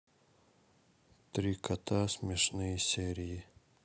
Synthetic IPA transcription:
t̪ɾʲikʰɐt̪ʰasʲmʲɛʃnɨjsʲɛɾʲiji

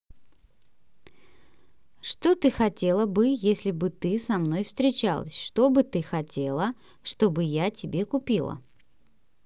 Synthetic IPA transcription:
ʂt̪o̞t̪ɨxɐtʲe̞lˠəbɨjesʲlʲɪbɨt̪ɨsɐmno̞jfst̪ɾʲɪt͡ɕalˠə̰sʲʂt̪o̞bɨt̪ɨxɐtʲelˠə | ʂt̪o̞bɨjatʲɪbʲe̞kʊpʲilˠə̰

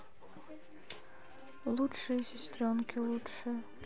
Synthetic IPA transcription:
lˠut͡ʂʂɨjsʲɪsʲt̪ɾʲɔnkʲɪlˠutʂɨj

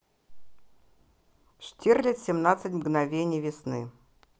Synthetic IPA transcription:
ʂtʲerlʲɪt̪ʲsʲɪmnat̪sɨtʲmɡnɐvʲenʲɪjvʲɪsnɨ

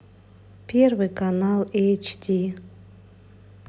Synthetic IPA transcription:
pʲʰervɨkʰanalejt͡ʃʰdʰi

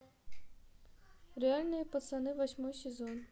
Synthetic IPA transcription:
realʲnɔjipɔt̪sɛnɪʋɐsʲmɔjsʲezɔn

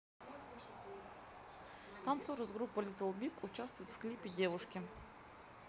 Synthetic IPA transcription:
t̪ant̪soɾəzɡɾupːəlʲit̪vəlˠbʲikʊt͡ɕast̪vʊjɪt̪fklʲipʲɪdʲevʊʂkʲɪ

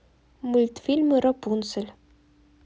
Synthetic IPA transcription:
mulʲt̪fʲilʲmɨɾɔpunsɘ̆lʲ

